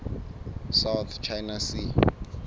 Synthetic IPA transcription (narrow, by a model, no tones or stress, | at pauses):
sawt̪ʰt͡ʃʰajnasi